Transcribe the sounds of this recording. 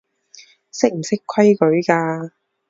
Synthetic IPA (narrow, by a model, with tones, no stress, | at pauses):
sɪ˥k̚m̩˨˩sɪ˥kʰwɐ˥jkɵ˨˥ɥkaː˧